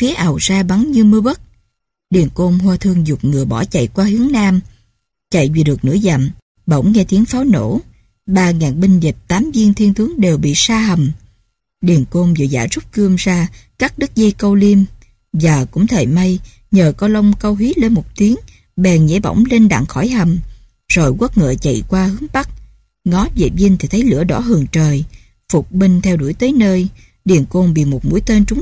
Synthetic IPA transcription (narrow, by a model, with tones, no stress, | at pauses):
fi˨˦əʔa˨˩wzaː˧ɓa˨˦ŋɲɨ˧mɨ˧əɓə˦˥t̚ | ɗi˨˩ənko˧nɦwaː˧t̪ʰɨ˧əŋzʊ˨˩k͡p̚ŋɨ˨˩əɓɔ˧˩t͡ɕa̰˧˨jkwaː˧hɨ˨˦əŋnaː˧m | t͡ɕa̰˧˨jvi˨˩ɗɨ˨˩ək̚nɨ̰˧˥əza̰˧˨˩m | ɓə̰˧˥wŋ͡mŋɛ˧t̪i˨˦əŋfaː˨˦wno̰˧˥ | ɓaː˧˩ŋaː˨˩ŋɓï˧ŋ̟ve˨˩p̚t̪aː˨˦mzi˧əŋt̪ʰi˧nt̪ɨ˨˦əŋɗe˨˩wɓḭ˧˨saː˧ɦə˨˩m | ɗi˨˩ənko˧nvɨ̰˧˨˩za̰ː˧˩˥zu˦˥k͡p̚kɨ˧əmzaː˧kaː˦˥k̚ɗɨ˦˥k̚zə˧jkə˧wli˧əm | vaː˨˩kʊ̰˧˥ŋ͡mt̪ʰəː˧˨˩jma˧j | ɲəː˨˩kɔ˨˧˦lə˧wŋ͡mkə˧wɦi˨˦le˧nmo˨˩k͡p̚t̪i˨˦əŋ | ɓɛ˨˩nɲḛ˧˥ɓɔ̰˧˩wŋ͡mle˧nɗa̰˧˨ŋxɔ˧˩jha˨˩m | z̥o˨˩jɣwə˦˥t̚ŋə̰ː˧˨t͡ɕə̰˧˨jkwaː˧hɨ˨˦əŋɓa˦˥k̚ | ŋɔ˨˦vḛ˧˨˩vi˧nt̪ʰi˨˩t̪ʰə˨˦jlɨ̰˧˥əɗɔ˧˥˦ɦɨ˨˩əŋt͡ɕəː˨˩j | fʊ˨˩k͡p̚ɓï˧ŋ̟t̪ʰɛ˧wɗu˧˩əjt̪əː˨˦jnəː˧j | ɗi˨˩ənko˧nɓḭ˧˨mo˨˩t̚mṵ˧˥əjt̪əː˧nt͡ɕʊ˨˦ŋ͡m